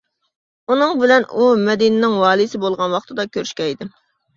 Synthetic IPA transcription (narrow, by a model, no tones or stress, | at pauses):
unɨŋbɪlɛnumɛd̪inɪnɪŋwɑːlˠisɪbolˠʁɑnwɑχt̪ʰɨd̪ɑkʲʰøɾyʃkʲɛjd̪ɪ